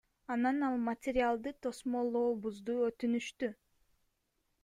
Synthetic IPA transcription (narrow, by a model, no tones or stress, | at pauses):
ɑnɑnɑlˠmɐtʲɪɾʲɪalˠd̪ɯt̪ʰo̞smolˠoːbuzd̪uøt̪ynyʃt̪y